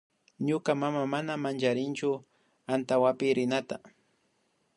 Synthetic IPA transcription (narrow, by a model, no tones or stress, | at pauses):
ɲʊkamamamanamant͡ʃaɾɪnt͡ʃʊ | ant̪awapɪɾɪnat̪a